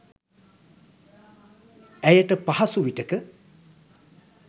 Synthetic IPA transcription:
æjəʈəpaɦɐsuʋiʈəkə

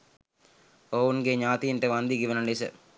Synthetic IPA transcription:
oːunɡeɲaːt̪iinʈeʋɐnd̪iɡiʋɐnɐɳisə̰

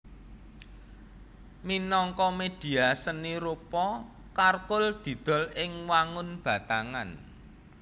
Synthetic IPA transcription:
minɔŋkɔmed̪̥i̤asəniɾupɔ | karkʊld̪̥i̤d̪̥ɔ̤lɪŋwaŋʊnb̥a̤t̪aŋan

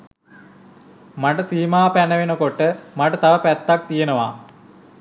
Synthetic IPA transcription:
maʈəsiːmaːpænəʋenəkoʈːəmaʈət̪ɐʋəpæt̪ːak̚t̪ijenəʋa̰

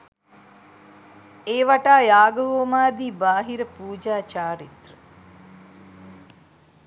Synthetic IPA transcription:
eːʋaʈaːjaːɡəʋoːmaːd̪iːbaːɦiɾəpuːd͡ʒaːt͡ʃaːɾit̪rə

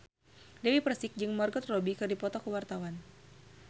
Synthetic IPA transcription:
dɛwipərsɪk̚d͡ʒɨŋmɔrɡɔt̪rɔbikɨrdipɔt̪ɔkəwart̪awan

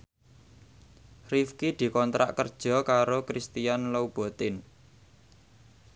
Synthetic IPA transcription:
rifkid̪̥i̤kɔnt̪ɾa̰ʔkərd̥ʒ̥ɔ̤kaɾokɾist̪ijanlowb̥o̤t̪ɪn

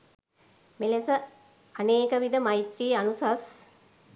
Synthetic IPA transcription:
melesə | aneːkəʋid̪əmajit̪ɾiːanusas

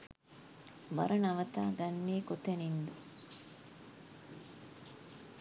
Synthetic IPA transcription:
bɐ̰ɾɐnɐʋɐt̪a̰ːɡɐnːiːkot̪enind̪u

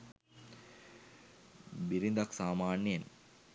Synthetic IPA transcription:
biɾind̪aksaːmaːnːen

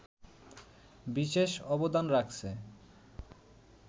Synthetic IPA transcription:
biʃeʃɔbod̪anɾakʰt͡ɕʰe

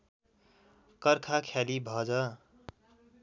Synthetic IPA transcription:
kʌɾkʰakʰalibʱʌd͡zʌ

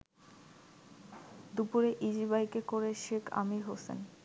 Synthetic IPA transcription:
d̪upuɾeʔid͡ʑiβajkekoɾeʃekʰa̰miɦosḛn

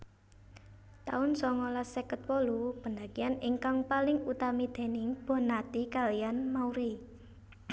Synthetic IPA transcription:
t̪a̰ʊnsɔŋɔlasɛkət̪wɔlub̥əndakianɪŋkaŋpalɪŋut̪amid̪̥e̤nɪŋb̥ɔ̤nat̪ikalijanmauɾi

